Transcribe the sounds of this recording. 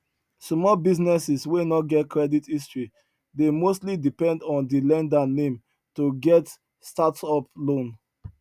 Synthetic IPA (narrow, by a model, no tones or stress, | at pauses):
smɔbiznɛsiswenɔt̚ɡɛtkɹɛditistɹi | demostlidipɛ̃ndɔ̃ndilɛ̃ndanẽm | toɡɛt | statsɔplõn